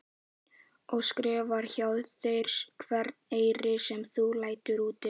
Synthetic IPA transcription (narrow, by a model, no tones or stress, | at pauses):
ɔɣskɾɛːvaɾ̥çawðθejɾ̥skʰvɛɾt̪neːjɾɪsɛmθulaːjt̪ʏɾuːt̪ɪ